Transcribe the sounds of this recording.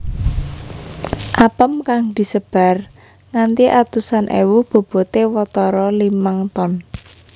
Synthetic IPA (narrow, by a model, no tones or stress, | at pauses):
ʔapəmkaŋd̪̥i̤səb̥a̤r | ŋant̪iʔat̪usanʔḛwub̥o̤b̥o̤t̪ewɔt̪ɔɾɔlimaŋt̪ɔn